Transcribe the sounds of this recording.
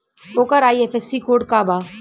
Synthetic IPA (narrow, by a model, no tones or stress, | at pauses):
oːkəɾaːiɛfɛsikoːɖ̚kaːbaː